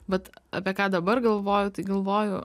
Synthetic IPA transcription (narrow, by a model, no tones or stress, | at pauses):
ʋɐt̪ɐ̰pʲiɛkɑːd̪ɐbɐɾɡɐlˠʋoːjʊt̪ɐɪɡɐlˠʋoːjʊ